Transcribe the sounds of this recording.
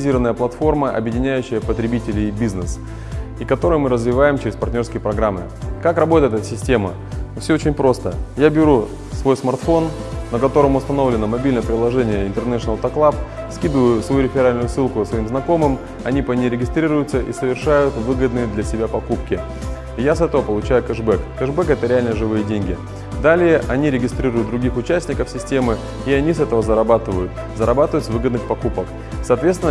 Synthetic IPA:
zʲirɾəvənəjəplˠɐt̪fo̞rməʔɐ̰bjɪdʲɪnʲæjʉɕːɪjəpət̪ɾʲɪbʲitʲɪlʲɪbʲiznɨs | ikɐt̪o̞ɾəjəmɨɾəzvʲɪvajɪmt͡ɕɪɾʲɪspɐrtʲnʲrskʲɪjəpɾɐɡɾamːɨ̰ | kakrɐbo̞t̪əjt̪ɛt̪sʲɪsʲtʲe̞mə | fsʲoot͡ɕɪnʲpɾo̞st̪əjabʲɪɾu | svo̞jsmɐrt̪fo̞nːəkɐt̪o̞ɾəmʊst̪ɐno̞vlʲɪnəmɐbʲilʲnəjəpɾʲɪlˠɐʐɛnʲɪjəɪnt̪ɨrnɛʂɨnəlˠt̪ɐklˠap | skʲid̪ʊvjʊsvɐjuɾʲɪfʲɪɾalʲnʊjʊsɨlˠkʊəsvɐimznɐko̞mɨm | ɐnʲipənʲɪɾʲɪɡʲɪst̪ɾʲiɾʊjʊt̪səʔisəvʲɪrʂajʊt̪vɨɡəd̪nɨjəd̪lʲɐsʲɪbʲapɐkupkʲɪ | jasɛt̪əvəpəlˠʊt͡ɕæjʊkəʐbɛkkəʐbɛkɛt̪əɾʲɪalʲnəʐɨvɨjədʲenʲɡʲɪ | d̪alʲɪjəʔɐnʲiɾʲɪɡʲɪst̪ɾʲiɾʊjʊt̪̚d̪ɾʊɡʲixʊt͡ɕæsʲtʲnʲɪkəfsʲɪsʲtʲe̞mɨ | ɪɐnʲisɛt̪əvəzəɾɐbat̪ɨvəjʊt̪ | zəɾɐbat̪ɨvəjt̪svɨɡəd̪nɨxpɐkupək | sɐːt̪vʲet̪st̪ɪn

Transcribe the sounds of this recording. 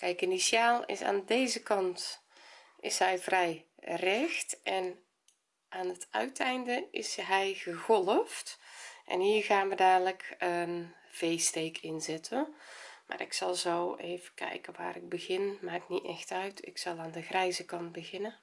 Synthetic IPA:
kɛjkinisjaːlˠɪ̰sa̰ːndeːzəkɑnt | ʔɪ̰shɛjvrɛjrɛxtɛn | ʔaːnətœɥtʰɛjndəɪsɦɛjɣəɣɔlˠəftʔɛ̰nhiːərɣaːnʋədaːdləkən | v̥eːsteːkʰɪnzɪtʰənmʔa̰ːɾɪksɑlˠzoːeːvəkʰɛ̰jkəʋa̰ːɾɪɡ̚bəɣɪnmaːkniɛxtœɥtʰɪ̰ksɑlˠaːndəɣrɛjzəkɑnt̚bəɣɪnə

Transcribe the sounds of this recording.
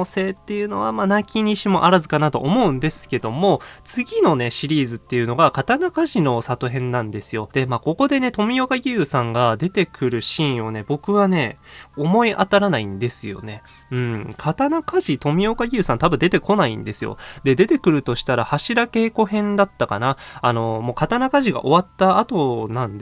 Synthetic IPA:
ose̞ːt̪ːe̞jɯ̟no̞βamanakʲiɲ̟iɕimo̞ʔaɾazɨkanat̪o̞̰ʔːmo̞ɯ̟̃nd̪e̞sɨ̥ke̞d̪o̞mo̞t͡sɨɡʲino̞ne̞ɕiɾʲiːzɨt̪ːe̞jɯ̟no̞ɡakat̪anakaʑino̞sat̪oɦẽ̞nːãnd̪e̞sɨjo̞d̪̥e̞maːko̞ko̞d̪e̞ne̞t̪o̞mʲijo̞kaɡʲɯːsãŋɡad̪e̞t̪e̞kʰɯ̟ɾɯ̟ɕĩɰ̃o̞ne̞bo̞kɯ̟βane̞o̞mo̞iʔat̪aɾanaĩnd̪e̞sɨjo̞̰ne̞ | ɯ̟̃ɴkʰat̪anakaʑit̪o̞mʲio̞kaɡʲɯ̟ːsãnt̪abɯ̟nd̪e̞t̪e̞ko̞naḭ̃nd̪e̞sɨjo̞̰d̪e̞d̪e̞t̪e̞kɯ̟ɾɯ̟t̪o̞ɕi̥t̪aɾahaɕiɾake̞ːko̞hẽ̞nd̪at̪ːaka̰naːno̞mo̞kat̪anakaʑiɡa̰ʔo̞βat̪ːaːt̪o̞nãnd̪

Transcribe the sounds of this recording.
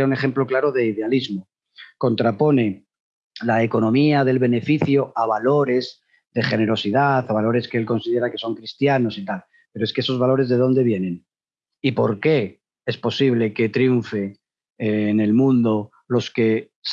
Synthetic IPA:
aune̞χe̞mplo̞klaɾo̞ðe̞iðe̞alizmo | ko̞nt̪ɾapo̞ne̞ | lae̞ko̞nõ̞miaðe̞lβe̞ne̞fiθjoaβalo̞ɾe̞z | ðe̞χe̞ne̞ɾo̞siðaθaβalo̞ɾe̞skeelko̞nsið̞e̞ɾake̞so̞ŋkɾist̪jano̞sit̪al | pe̞ɾoeskeeso̞zβalo̞ɾe̞zðe̞ð̞o̞nd̪e̞βje̞nẽ̞n | ipo̞ɾke̞ | espo̞siβle̞ke̞t̪ɾiuɱfe | ne̞lmũnd̪o̞ | lo̞ske̞ | s

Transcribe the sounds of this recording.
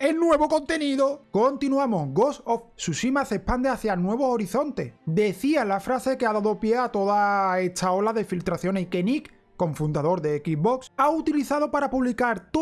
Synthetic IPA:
e̞lnwe̞β̞o̞ko̞nt̪e̞niðoko̞nt̪inuamo̞hɡo̞sofsusimasehpand̪eaθjanwe̞β̞o̞oɾiθo̞nt̪e̞̰hd̪e̞θialafɾase̞ke̞aðaðo̞pje̞at̪o̞ðae̞t̪ʰao̞laðe̞filt̪ɾaθjo̞neike̞nik | kːo̞ɱfund̪aðo̞ɾðe̞ekiɦβo̞ksaut̪iliθaðo̞paɾapuβlikaɾt̪

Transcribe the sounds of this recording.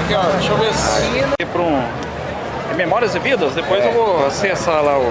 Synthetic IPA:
keɔʃovesĩɐnɪpɾũ | memɔɾiɐzɪvid̪ɐsd̪epojzewvoasesalaʊ

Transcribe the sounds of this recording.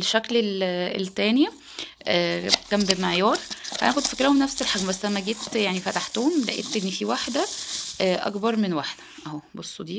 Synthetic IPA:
lʃːæklelelt̪æːni | ʔæːkæmbemeʕjɑːɾˤhæ̰ʔækod̪fækɾæhomnæfselħaɡmbæsːlæmːæɡet̪jaʕnifæt̪aħt̪oːomlæ̰ʔḛt̪ːʔenːfiwaħd̪æʔæʔɑ̰kbɑɾˤmenwaħd̪æ̥ʔæhobosˤːod̪iː

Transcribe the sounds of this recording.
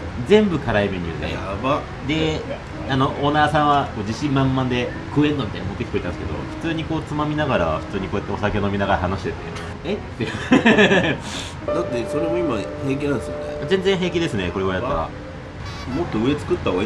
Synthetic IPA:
d͡zẽ̞mbɯ̟kaɾaime̞ɲ̟ʲɯ̰ːd̪e̞̰aba | d̪e̞ | ano̞ʔonasãɰ̃βako̞ːd͡ʑiɕĩmmãmːãnd̪e̞ | kɯ̟ːẽ̞nd̪omʲit̪aina̰mot̪ːekʲi̥koit̪añsɨ̥keo̞̰ɸɯ̟̥t͡sɨːɲ̟iko̞ːt͡sɨmamʲinaɡaɾa̰ɸɯ̟̥t͡sɨːɲikoːjat̪ːeo̞sakʲeno̞mʲinaɡaɾaɦanoɕi̥t̪e̞t̪ːe | et̪ːe | d̪at̪ːeso̞ɾe̞moimahẽk̬ʲiãnsɨjoneazẽ̞nd͡zẽɰ̃ɦẽ̞kʲid̪e̞sɨne̞ko̞ɾe̞βajat̪ːaɾa̰ | mot̪ːoɯ̟e̞t͡sɨ̥kɯ̟t̪ːao

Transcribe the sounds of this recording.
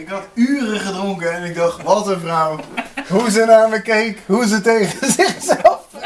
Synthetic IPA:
ɪkɦɑtyːrəχədrʊŋkəɛnɪɡ̚dɑχtʋɑtənvrʌwɦuzənaːɹməkejkɦuzətejχəzɪχsɛlˠf

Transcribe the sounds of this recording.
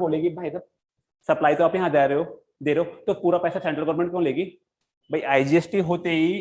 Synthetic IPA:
boːleːɡibʱaːisab̚ | sɐplaːit̪oaːpjɐɦãd͡ʒaːɾeɦoː | d̪eːɾeot̪opuːɾapɛːsasɛ̃ːɳʈɾəlɡɔʋɾmẽɳʈkjõːleːɡiː | bʱaiʔaːid͡ʒiesʈiɦoːt̪eɦi

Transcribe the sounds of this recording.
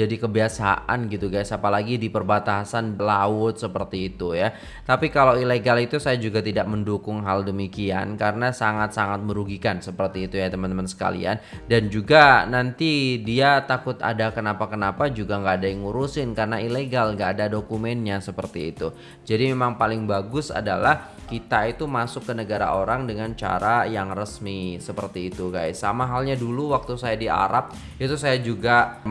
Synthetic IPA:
d͡ʒadikəbiasa̰ʔa̰nɡit̪uɡajsapalaɡidipərbat̪asanbəlaʊt̪̚səpərt̪iːt̪uja | t̪apikalaileɡalit̪usajad͡ʒuɡat̪idaʔ̚məndukʊŋɦaldəmikia̰nkaɾənasaŋat̪̚saŋat̪̚məɾuɡikansəpərt̪iːt̪ujat̪əmant̪əmansə̥ka̰lḭa̰ndand͡ʒuɡanant̪idiat̪akʊt̪a̰dakənapakənapad͡ʒuɡaŋɡaʔːdaiŋuɾusɪnkarnaileɡalŋɡaːdadokumɛnɲasəpərt̪ḭːt̪ṵ | d͡ʒadimemaŋpalɪŋbaɡʊsa̰dalah | kit̪ait̪umasʊkːənəɡaɾa̰ʔoɾaŋdəŋant͡ʃa̰ɾajaŋrəsmisəpərt̪iːt̪uɡajsamaɦalɲaduluwak̚t̪usajadia̰ɾap̚ | it̪usajad͡ʒuɡa

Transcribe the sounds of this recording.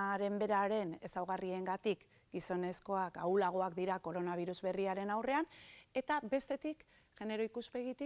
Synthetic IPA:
ɾe̞mbe̞ɾaɾe̞ne̞sawɣ̞arie̞ŋɡat̪ik | ɡiso̞ne̞sko̞akaulaɣ̞o̞akd̪iɾako̞ɾo̞naβ̞iɾuzβe̞riaɾe̞nawre̞ane̞t̪abe̞st̪e̞t̪ik | ʝ̥e̞ne̞ɾo̞ikuspe̞ɣit̪i

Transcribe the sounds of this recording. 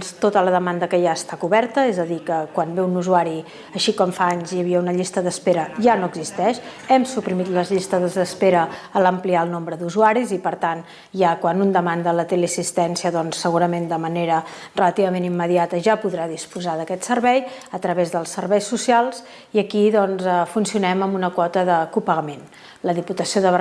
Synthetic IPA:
st̪ot̪ələðəmand̪əkəjaəst̪akuβɛɾt̪əezəðikəkwanbeunuzuaɾi | əʃikɔmfaaɲzjəβ̞iəunəʎist̪əðəspeɾəʒanoəɡzist̪ɛʃ | ɛmsupɾimit̪ləzʎist̪əðəzðəspeɾəːləmpliaəlˠnombɾəðuzuaɾizipəɾt̪an | ʒakwanund̪əmand̪ələt̪eleəsist̪ɛnsiəðɔnsːəɣuɾəmend̪əməneɾə | rələt̪iβəmenimːəðiat̪əʒapuðɾaðispuzaðəkɛt̪sərβɛjət̪ɾəβezðəlˠsərβɛjsːusialˠz | iəkiðɔnzəfunsiunɛməmbunəkwɔt̪əðəkupəɣəmen | ləðiput̪əsioðəβə

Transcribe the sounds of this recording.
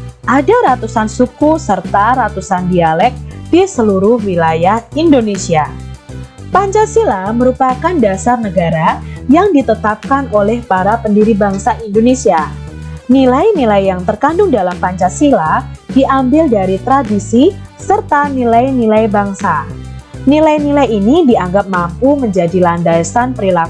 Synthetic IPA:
ʔadaɾat̪usansukusərt̪aɾat̪usandialɛk̚disəluɾʊhwilajahindonesia | paɲt͡ʃasilaməɾupakandasarnəɡaɾajaŋdit̪ət̪ap̚kanolɛhpaɾapəndiɾibaŋsaʔindonesia | nilajnilajjaŋt̪ərkandʊŋdalampaɲt͡ʃasiladiʔambɪldaɾit̪ɾadisi | sərt̪anilajnilajbaŋsa | nilajnilajinidiaŋɡap̚mampuməɲd͡ʒadilandasanpəɾilak

